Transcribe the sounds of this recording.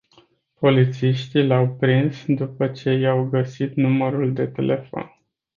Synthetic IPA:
po̞lit̪siʃt̪ilawpɾinsd̪upət͡ʃe̞jawɡəsit̪numəɾuld̪e̞t̪ḛlʔe̞fo̞̰n

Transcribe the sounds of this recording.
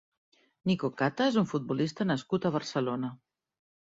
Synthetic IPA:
nikokat̪aezuɱfut̪̚bulist̪ənəskut̪əβ̞əɾsəlonə

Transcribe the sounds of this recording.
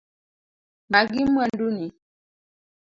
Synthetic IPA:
maɡimwanduni

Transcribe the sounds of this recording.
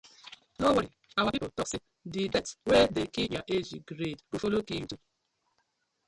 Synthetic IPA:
noweɾiawakiotɔksi | dibɛtwedekijaʔed͡ʒiɡɾedofoloki

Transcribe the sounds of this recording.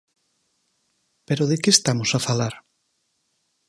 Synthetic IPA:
peɾoðekeːst̪amosafalaɾ

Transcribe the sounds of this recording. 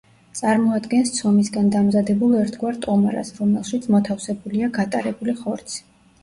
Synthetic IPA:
t̪sʼaɾmɔad̪ɡɛnst̪sʰɔmisɡand̪amzad̪ɛbulˠɛɾt̪ʰɡwaɾt̪ʼɔmaɾa̰sɾɔmɛlˠʃit̪sʰmɔt̪ʰafsɛbuliaɡat̪ʼaɾɛbuliχɔɾt̪sʰi̥

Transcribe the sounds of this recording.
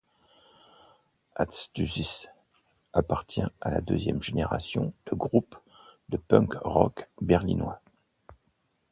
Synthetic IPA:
a̰t̪st̪yzis | apaʁt̪jɛ̃ala̰d̪øzjɛmʒeneʁa̰sjɔ̰̃d̪̥əɡʁup | d̪̥əpœ̃kʁɔkbɛʁlinwa

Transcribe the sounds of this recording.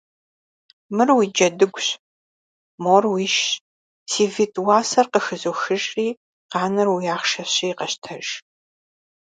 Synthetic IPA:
mɨrwiːd͡ʒɐdɨɡʷɕ | moːrwiːʃ | siːvitʼwaːsɐrqəxɨzuːxɨʒʼqiː | qɑːnɐrwjaːχʃɐɕijːqɐɕtʰɐʒ

